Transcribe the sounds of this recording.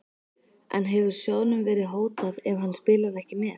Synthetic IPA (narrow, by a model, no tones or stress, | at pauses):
ɛ̰nɦɛvʏɾ̥sjoːwnʏmvɛːɾɪðɦoːwt̪avɛvɦanːspɪːlaɾɛhcɪmɛːð